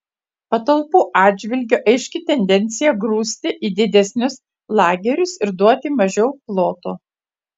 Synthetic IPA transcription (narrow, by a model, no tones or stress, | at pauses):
pɐt̪ɐlˠpuːʔɑːd̪ʲd͡ʒʲʋʲɪlʲɡʲʊʔɐɪʃʲkʲɪt̪ʲɛnʲd̪ʲɛnʲt̪sʲɪjɛɡɾuːsʲt̪ʲɪʔiːd̪ʲɪd̪ʲɛsʲnʲʊs | lˠɑːɡʲɛɾʲʊsɪɾd̪uɔt̪ʲɪmɐʒʲɛʊplˠoːt̪oː